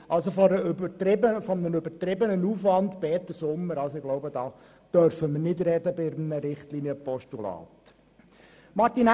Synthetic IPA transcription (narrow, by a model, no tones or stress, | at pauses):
ʔɑlsofɔɾəbətɾɪbəfɔmnənøbəɾtɾɪbənənuːfʋɑnd̪b̥ɛːtːəsʊmːəɾɑlsoɪɡloʊbəd̥ɑː | d̪̥œɾfəməɾnɪdɾɛdəbɪɾmnəɾɪχtliniəpɔʃtulɑ̰ːt | mɑtin